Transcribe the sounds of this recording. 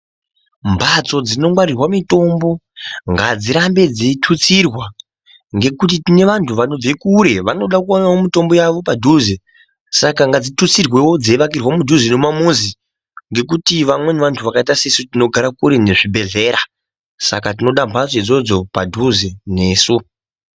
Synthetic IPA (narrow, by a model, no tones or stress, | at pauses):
mbʱat͡so̞d͡zino̞ŋɡwaɾirwamito̞ːmbo̞ | ŋɡad͡ziɾambe̞d͡zitʰut͡sirwa | ŋɡe̞kut̬itine̞ʋantʰuʋano̞b͡vekuɾe̞ʋano̞ɗakuonawomito̞mbo̞jaʋo̞padʱuze | sakaŋɡad͡zitut͡sirwe̞wo̞d͡zeʋakirwamudʱuzenomamuzi | ŋɡe̞k̬utiʋamwe̞neʋantʰuʋakaitasesutino̞ɡʱaɾakuɾe̞ne̞ʐibʱe̞ɮe̞ːɾa | sa̰kat̬ino̞ɗambʱat͡soed͡zo̞d͡zo̞padʱuzene̞ːsu